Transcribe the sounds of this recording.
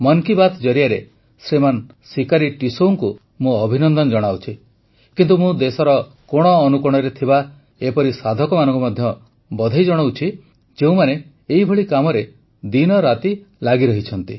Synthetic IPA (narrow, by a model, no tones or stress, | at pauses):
mɔŋkibat̪d͡ʒɔɾijaɾe | sɾeman | sikaɾiʈisouŋku | mũɔbʱinɔnd̪ɔnɔd͡ʒɔɽ̃awt͡ʃʰi | kint̪umũd̪esɔɾɔ | koɽ̃ɔːnukɔɽ̃ɔɾet̪ʰiba | epɔɾisad̪ʱɔkɔmanɔ̃ŋkumad̪ʱjɔ | bɔd̪ʱajd͡ʒɔɽ̃wt͡ʃʰi | d͡ʒeũmane | eɦibʱɔɭikamɔɾe | d̪inɔɾat̪i | laɡiɾɔɦit͡ʃʰɔnt̪i